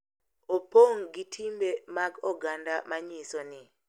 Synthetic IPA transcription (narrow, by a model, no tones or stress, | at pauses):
opoŋɡitʰimbemaɡɔɡandamaɲisɔnɪ